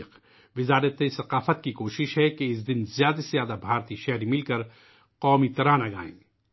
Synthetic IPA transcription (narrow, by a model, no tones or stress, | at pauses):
q | ʋɪzaːɾət̪ːesɐqaːfət̪kikoːʃɪʃɦɛkeɪs̬d̪ɪnzjaːd̪azjaːd̪abʱaːɾt̪iʃɛɦɾimɪlkɐɾ | qɔːmit̪ɐɾaːnaɡa̰ːḛ̃ː